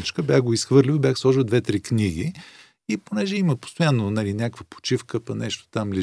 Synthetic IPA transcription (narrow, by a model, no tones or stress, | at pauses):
t͡ʃkəbjaxɡoisxvɤɾlʲivobjaxslˠɔʒəd̪vɛt̪ɾikniɡi | iponɛʒɛiməpo̥st̪ojanːonɐlinʲakkvəpo̥t͡ʃifkəpɐnɛʃt̪o̥t̪amli